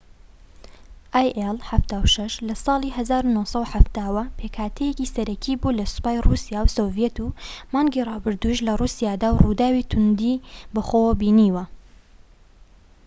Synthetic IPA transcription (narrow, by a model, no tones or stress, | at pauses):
ʔaːjʔelˠħaft̪aːwʃɐʃlɐsˤɑːlˠiːɦɐzaːɾunosˤɐwħaft̪aːwɐpʰeːkʰaːt̪ʰɛjecisɐɾɐkʰiːbulɐsʊ̥paːjrusijaːwsovijet̪umɑːŋɡirˤɑːbɨɾd̪uiʃlɐrusijaːd̪aːwrud̪aːwit̪ʰʊnd̪ibɐxowbiːniːwɐ